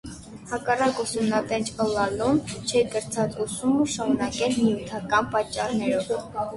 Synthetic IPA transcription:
hɑkɑrɑkusumnɑt̪ɛnt͡ʃʰəlɑlumt͡ʃʰɛkəɾt͡sʰɑt͡susuməʃɑɾunɑkɛlnijut̪ʰɑkɑnpɑt͡ʃːɑrnɛɾɔv

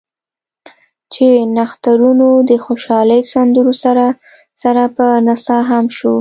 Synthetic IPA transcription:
t͡ʃenaxt̪aɾunod̪əxoʃɑləjsand̪əɾosaɾa | saɾapənasɑɦamʃo

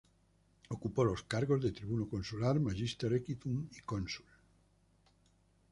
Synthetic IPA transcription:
okupolo̞skaɾɣ̞ozðet̪ɾiβunokõnsulaɾmaʒist̪eɾekit̪uŋikonsu̥l

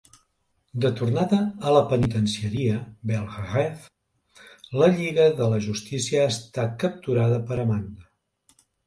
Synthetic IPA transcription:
d̪ət̪urnaðəːləpənit̪ənsiəɾiəbɛlˠɣʁɛf | ləʎiɣəðələʒust̪isiəːst̪akəp̚t̪uɾaðəpəɾəmand̪ə

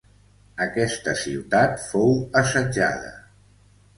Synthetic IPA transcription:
əkɛst̪əsiwt̪at̪fowəsəd͡ʒa̰ðə̰

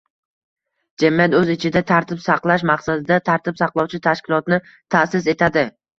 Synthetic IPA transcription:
d͡ʒamijat̪ɵzɪt͡ʃʰɪd̪at̪ʰaɾt̪ʰɪpsɑqlˠaʃ̬maqsad̪ɪd̪at̪ʰaɾt̪ʰɪpsɑqlˠɒwt͡ʃʰɪt̪ʰaʃkʲɪlˠɒt̪nɪ | t̪ʰasɪse̞t̪ʰad̪ɪ

